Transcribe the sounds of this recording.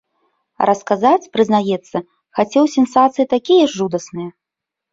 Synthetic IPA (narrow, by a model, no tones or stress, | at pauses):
rʔɐskazat͡sʲpɾɨznajɛt̪sːɐ | xat͡sʲɛwsʲɛnsat̪sɨjit̪akʲijɐʐːud̪ɐsnɨjɐ